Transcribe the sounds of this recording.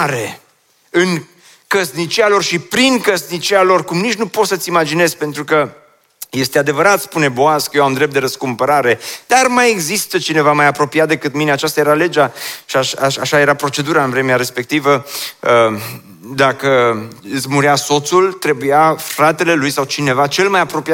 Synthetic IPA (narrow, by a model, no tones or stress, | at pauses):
ɾe̞ | ɨn | kəsnit͡ʃialo̞rʃipɾiŋkəsnit͡ʃialo̞rkumnit͡ʃnupo̞t̪sət̪simad͡ʒine̞zpe̞nt̪ɾukə | je̞st̪ead̪e̞vəɾat̪spune̞boaskəjewamd̪ɾep̚t̪d̪eɾəskumpəɾaɾe̞d̪armaje̞ɡzist̪ət͡ʃine̞vamajapɾo̞piat̪d̪e̞kɨt̪mine̞at͡ʃast̪aje̞ɾale̞d͡ʒaʃiaaʃaʃaje̞ɾapɾo̞t͡ʃe̞d̪uɾaɨnvɾe̞meaɾe̞spe̞k̚t̪ivəə | d̪akəɨsmuɾiaso̞t̪sult̪ɾe̞bujafɾat̪e̞le̞lujsawt͡ʃine̞vat͡ʃe̞lmajapɾo̞pia